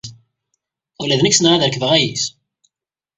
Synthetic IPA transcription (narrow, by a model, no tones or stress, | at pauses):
ulæðnəçsnʁaðəɾkəvəʁæjis